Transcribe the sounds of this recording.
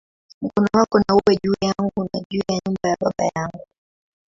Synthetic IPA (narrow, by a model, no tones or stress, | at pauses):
m̩kɔnɔwakɔnauwɛʄuːjaŋɡunaʄuːjaɲumbajaɓaɓa̰jaŋɡu